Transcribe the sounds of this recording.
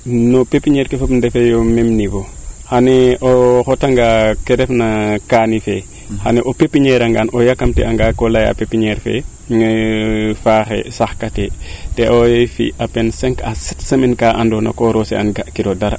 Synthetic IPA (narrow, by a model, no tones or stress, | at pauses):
nɔpepːiɲɛɾkefɐpndɛfejɔmɛmniɡohanɛɔxɔtaŋɡakɛɾɛfnakaːnifɛ | xanɛʔopepiɲɛɾaŋɡanʔɔjakːamtɛ̰aŋɡakɔlaja̰pepiɲɛɾfɛ̰ | faxɛ̰saxkatɛtɛʔojefḭʔapɛnsɛŋkasɛtsɐmenkaːʔandɔna̰kɔɾosḛanɡakiɾodaɾa